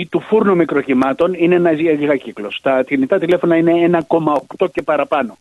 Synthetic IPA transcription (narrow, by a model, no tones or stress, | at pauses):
it̪ufuɾnumikɾo̞cimɐt̪o̞ninenɐziɐɣiɣɐciklo̞st̪ɐt̪init̪ɐt̪ile̞fo̞nɐine̞enɐko̞mɐo̞kt̪o̞ce̞pɐɾɐpɐno̞